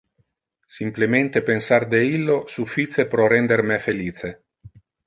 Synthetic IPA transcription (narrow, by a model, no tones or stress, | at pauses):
simplement̪epensard̪eilːosufit̪sepɾɔrɛnd̪ermefeliːt͡ʃe